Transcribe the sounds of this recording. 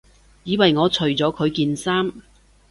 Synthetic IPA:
jiː˨˧wɐ˨jŋɔː˨˧t͡ʃʰɵ˨˩ɥt͡sɔː˨˧˥kʰɵ˨˧ɥkiː˧nsaː˥m

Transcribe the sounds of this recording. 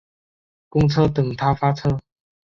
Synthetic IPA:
kʊ˥ŋt͡sʰɤ˥t̪ə˨˩ŋt̪ʰa˥fa˥t͡sʰɤ˥

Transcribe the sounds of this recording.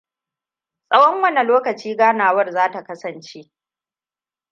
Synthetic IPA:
sʼɐ˦wɔ˦ŋwɐ˦na˨loː˦kɐ˨t͡ʃiː˦ɡaː˦naː˨wɐ˦˨rzaː˦ta˨kɐ˦sɐ˨nt͡ʃe˦ʔ

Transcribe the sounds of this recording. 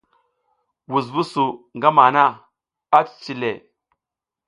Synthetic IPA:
wu˨z̬vu˦su˨ŋɡa˦ma˨na˦˨ | a˦t͡st͡ʃi˨le˨

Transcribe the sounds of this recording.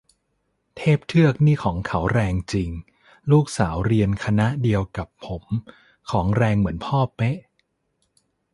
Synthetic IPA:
t̪ʰeː˥˩p̚t̪ʰɯ˥˩ək̚niː˥˩kʰɔː˩˦ŋkʰa˩˦wɾɛː˧ŋt͡ɕi˧ŋ | luː˥˩k̚saː˩˦wɾi˧ənkʰa˧na˦˥ʔdi˧əwka˨˩pʰːo˩˦m | kʰɔː˩˦ŋɾɛː˧ŋmɯ˩˦ənpʰɔː˥˩pe˦˥ʔ

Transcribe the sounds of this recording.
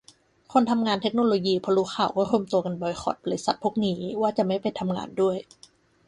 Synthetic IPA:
kʰo˧nt̪ʰa˧mŋaː˧nt̪ʰe˦˥k̚noː˧loː˧jiː˧pʰɔː˧luː˦˥xʰaː˨˩wkɔː˥˩ɾu˧əmt̪u˧ka˧nbɔː˧jxʰɔ̰ː˨˩t̪̚bɔ˧li˦˩sa˨˩t̪̚pʰu˥˩˨k̚niː˦waː˥˩t͡ɕa˨˩ʔma˥˩jpa˧jnt̪ʰa˧mŋa̰ː˧ndu˥˩əj

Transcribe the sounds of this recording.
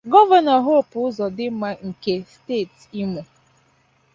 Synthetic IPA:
ɡɔ˦va˨na˨ɦo˦˨pʊ˨ʊ˦zɔ˨dɪ˦m̩˦ma˦ŋ̩˨ke˨ste˦˨t | i˦mu˨

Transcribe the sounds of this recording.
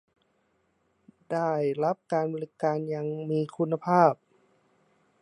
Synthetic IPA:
daː˥˩jla˦˥p̚kaː˧nboː˧li˦˧˥kaː˧nja˧ŋmiː˧kʰu˧nːa˧pʰaː˥˩p̚

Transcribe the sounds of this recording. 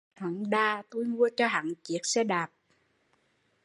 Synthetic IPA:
hwaː˨˩˦ŋɗaː˧t̪o˧jmu˧ət͡ɕɔ˧ɦa̰˨ŋt͡ɕi˨˦ək̚sɛ˧˥ɗaː˨˩p̚

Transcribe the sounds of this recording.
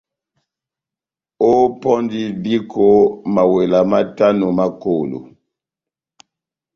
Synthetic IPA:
o˦pɔ˦ndi˦bi˦kʰo˦ma˨we˨la˨ma˦ta˦no˨ma˦ko˨lo̰˨

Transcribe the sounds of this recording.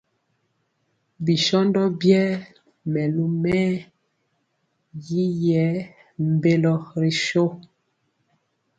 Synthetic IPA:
bi˨ʃɔ˦ndɔ˦bjɛː˦ | mɛ˨lu˦mɛ˦ | ji˦jɛ˨˦ | m̩˨be˦lɔ˦ɾi˨ʃo˦

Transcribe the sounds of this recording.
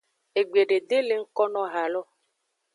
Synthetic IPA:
e˨ɡ͡be˨ɖe˨d̪e˦le˨ŋ̩˦kɔ˦nɔ̃˦ɣa˨lɔ˦

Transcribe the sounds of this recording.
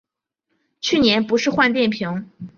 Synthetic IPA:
t͡ɕʰy˥˩njɛ˧˥npu˧˥ʂɻ̩˥˧xwa˥˧nt̪jɛ˥˩npʰji˧˥ŋ

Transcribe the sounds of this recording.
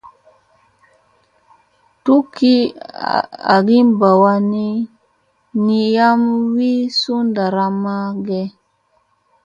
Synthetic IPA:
tu˦ki˦ | a̰˨ɡi˦mba˨wa˦ni˦ | ni˨ja˦mwi˦su˦nda˨ɾa˦ma˦ɡɛ˦

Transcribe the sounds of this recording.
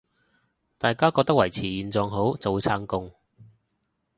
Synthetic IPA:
t̪aː˨jkaː˥kɔː˧t̪ɐ˥k̚wɐ˨˩jt͡sʰiː˨˩jiː˨˩nt͡sɔː˧ŋɦo˨˥wt͡so˨wt͡sʰaː˧˥ŋkʊ˧ŋ

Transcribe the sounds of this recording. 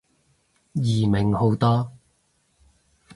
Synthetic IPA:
jiː˨˩mɪ˨ŋho˨˥wt̪ɔː˥

